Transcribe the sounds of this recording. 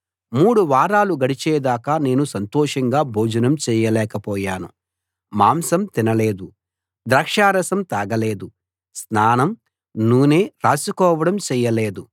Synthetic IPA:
muːɽuʋaːɾaːluɡɐɽit͡ʃɛːd̪aːkane̞ːnusɐnt̪ɔːʂɐŋɡaːbʱoːd͡ʒɐnɐmt͡ʃɛːjɐlɛːkɐpɔːjaːnu | maːmsɐmt̪inɐleːd̪u | d̪ɾɐkʂaːɾɐsɐmt̪aːɡɐleːd̪u | snaːnɐm | nuːneːɾaːsikɔːʋɐɽɐmt͡ʃɛːjɐleːd̪u

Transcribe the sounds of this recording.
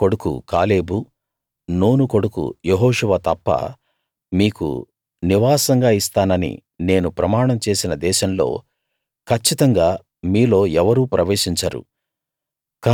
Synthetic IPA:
ko̞ɽukṵkaːle̞ːbu | noːnuko̞ɽukṵjeɦɔːʂuʋat̪ɐpːɐ̰ | miːkṵ | niʋaːsɐŋɡaːist̪aːnɐnḭ | ne̞ːnupɾɐmaːɳɐmt͡ʃe̞ːsinɐd̪ɛːʃɐmlo̞̰ː | kʰɐt͡ʃːit̪ɐŋɡaː | miːlo̞ːɛʋɐɾuːpɾɐʋe̞ːʃiɲt͡ʃɐɾṵ | ka

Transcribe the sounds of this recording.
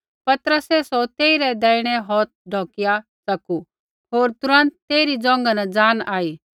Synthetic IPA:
pɐt̪ɾəsɛsɔt̪eːiɾɛd̪ɛːɪɽ̃ɛɦɔːt̪̚ɖʱɔːkɪjasɐku | ɦoːɾt̪ʊɾə̃nt̪ːeːɾid͡zɔ̃ːŋ̆ɡanad͡zaːnaːiː

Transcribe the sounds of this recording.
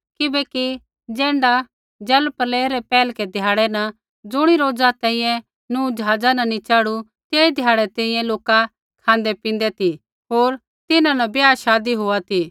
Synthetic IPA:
kɪbɛki | d͡ʒɛ̃ːɳɖa | d͡ʒɐlpɐleːɾɛpɛːlkɛd̪ʱɪjaːɽɛnɐ | d͡zʊɽ̃iɾoːd͡zat̪ɛ̃ːĩjɛ̃ | nũːd͡ʒəɦaːd͡zanɐnit͡ʃaːɽu | t̪eːid̪ʱjaːɽɛt̪ɛ̃ːĩːjɛ̃loːka | kʰãːnd̪epɪ̃nd̪ɛt̪ʰi | ɦoːɾ | t̪ɪnãnɐbjaːʃaːd̪iɦoat̪ʰi

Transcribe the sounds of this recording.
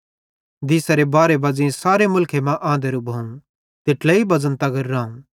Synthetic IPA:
d̪iːsaɾebaːɾebɐːd͡zĩsaːɾemʊlkʰemãʔãːnd̪eɾubʱɐːũ | t̪ɪʈlɛibɐd͡zənt̪ɐɡɐɾːaːũ

